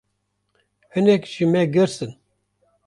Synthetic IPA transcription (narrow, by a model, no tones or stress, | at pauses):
hɨnɛkʒimɛɡɨɾsɨn